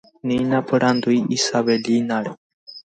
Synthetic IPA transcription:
ninapʰɨɾand̪uiisaβelinaɽɛ

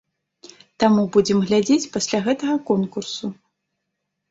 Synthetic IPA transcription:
t̪amubud͡zʲɛmɣlʲad͡zʲet͡sʲpasʲlʲaɣɛt̪ɐɣɐkɔnkursu

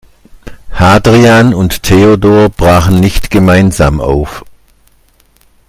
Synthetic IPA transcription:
haːdʁianʊnttʰeːodoːɐb̥ʁaːχn̩nɪçtɡ̥əmaɪnza̰ːmʔa̰ʊf

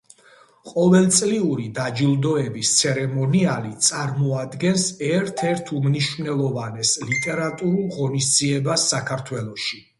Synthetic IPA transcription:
qʼɔvɛlˠt̪sʼliuɾid̪ad͡ʒilˠd̪ɔɛbist̪sʰɛɾɛmɔnialit̪sʼaɾmɔad̪ɡɛnsɛɾt̪ʰɛɾt̪ʰumniʃvnɛlˠɔvanɛslit̪ʼɛɾat̪ʼuɾulˠʁɔnisd̪ziɛbasːakʰaɾt̪ʰwɛlˠɔʃi

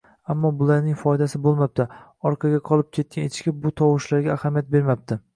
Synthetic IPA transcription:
amːɒbʊlˠaɾnɪŋʲfɒjd̪asɪbolˠmap̚t̪ʰɪ | ɒɾqʰɑɡʲaqʰɒlˠɪp̚kʲʰe̞t̪̚kʲanet̪ʰɪʃkʲabʊt̪ʰɒwʊʃlaɾɡʲaːhamijat̪̚be̞ɾmap̚t̪ʰɪ

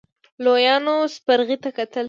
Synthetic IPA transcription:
lojɑnospaɾɣit̪akat̪əl

